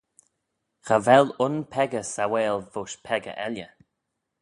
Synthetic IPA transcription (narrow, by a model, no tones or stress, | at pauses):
xavɛlʊnpʰɛɡəsawɛːlvoʃpʰɛɡə̰ʔɛljə